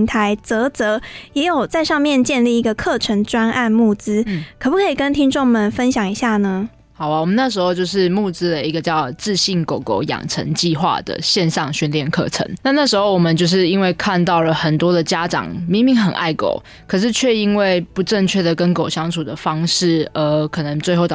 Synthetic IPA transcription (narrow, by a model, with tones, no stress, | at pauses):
ŋt̪ʰa˧˦ɪt͡sə˧˥t͡sɤ˧˥jɛ˧˥jo˨˩ʊt͡sa˥˧ɪʂɑ˥˧ŋmjɛ˥˧nt͡ɕjɛ˥˧nli˥˩i˧˥ɡə˨kʰɤ˥˩ʈ͡ʂʰə˧˥ŋʈ͡ʂwa˥na˥˧nmu˥˩t͡sɹ̩˥kʰə˨˩pu˥kʰə˧˥i˨˩kə˦nt̪ʰi˥ŋʈ͡ʂo˥˩ŋmə˨nfə˦nɕjɑ˨˩ŋi˧˥ɕja˥˩nə˦ | xɑ˨˩ʊa˨wɔ˨˩mə˨˦na˥˩ʂ̬ɻ̩˧˥xo˥˧ʊt͡ɕjo˥˧ʊʂ̬ɻ̩˥˧mu˥˧˩t͡sɹ̩˥d̪ə˨i˧˥ɡə˨t͡ɕjɑ˥˧ʊt͡sɹ̩˥˧ɕi˥˩nko˨˩ʊko˨˩˦ʊjɑ̰˨˩ŋʈ͡ʂʰə̰˧˥ŋt͡ɕi˥˧xwa̰˥˩d̪ə̰˩ɕjɛ˥˧nʂɑ˥˧ŋɕy˥˧nljɛ˥˨nkʰɤ̰˥˩ʈ͡ʂʰə̰˧˥ŋna˥˧na˥˩ʂɻ̩˧xo˥˩ʊwɔ˨mə˨nt͡ɕjo˥˧ʊʂ̬ɻ̩˥˩i˦˥nwe˥˧ɪkʰa˥˧nt̪ɑ˥˩ʊlə˩xə˨˩nt̪wɔ˦˥d̪ə˨˩t͡ɕja˦˥ʈ͡ʂɑ̰˨˩ŋmi˧˥ŋmi˧˥ŋxə˨˩nʔa̰˥˩ɪko̰˨˩ʊ | kʰɤ˨˩ʂ̬ɻ̩˥˧t͡ɕʰɥɛ˥˧i˥nwe˥˩ɪpu˨˦ʈ͡ʂə˥˧ŋt͡ɕʰɥɛ˥˩d̪ə˩kə˦nko˨˩ʊɕjɑ˥ŋt͡sʰu˨˩d̪ə˩fɑ˦˥ŋʂɻ̩˥˩ə˧˥kʰɤ˨˩nə˧˦ŋt͡swe˥˧ɪxo˥˩ʊ